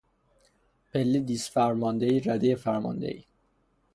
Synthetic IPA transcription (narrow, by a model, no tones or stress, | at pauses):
pʰelːid̪isfæɾmɒnd̪eiːɾæd̪eefæɾmɒ̰nd̪ḛʔḭː